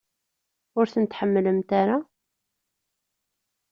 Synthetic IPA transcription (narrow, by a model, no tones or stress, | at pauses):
ʊɾθənt̪ħəmːləmt̪aɾa